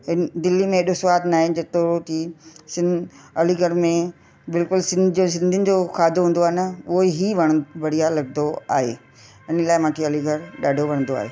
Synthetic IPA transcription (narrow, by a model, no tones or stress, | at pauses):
ɪnd̪ɪlːimẽɗosʋaːd̪naːɦɪ̃d͡ʑɐt̪oʈʰiːsɪ̃nɐliɡəɾmẽ | bɪlkʊlsɪ̃nos̬ɪ̃nd̪ʱɪənɪ̆d͡ʑoxʰaːd̪oɦũːn̆d̪oaːɦɪnɐʊɦoiɦiʋɐɽ̃ʋɐɽ̤ijalɐɡnd̪d̪oa̰ːɦḛː | ɪnəlaːɪmãːʈʰiɐliɡʱɐɾɗaːɖʱoʋɐɽ̃ənd̪oa̰ːɦḛː